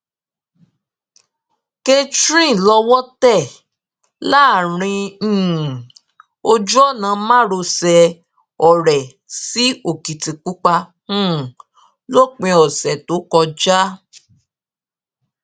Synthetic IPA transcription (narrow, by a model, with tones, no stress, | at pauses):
ke˦tɾĩ˦˨lɔ˧wɔ˦tɛ˦˨ | la˦˨ɾ̃ĩ˧˦˨ | o˧d͡ʒu˦ɔ˦˨nã˨˦mã˦ɾo˧sɛ˧ | ɔ˨ɾɛ˨ | si˨˦o˨ki˨tĩ˨k͡pu˦k͡pã˧˦˨ | lo˦k͡pĩ˧ɔ˨sɛ˨to˨˦kɔ˧d͡ʒa˦